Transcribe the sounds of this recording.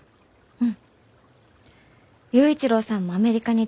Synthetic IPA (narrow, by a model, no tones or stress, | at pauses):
ɯ̃ɴ | jɯ̟ːit͡ɕiɾo̞ːsãmːoame̞ɾʲikaɲ̟i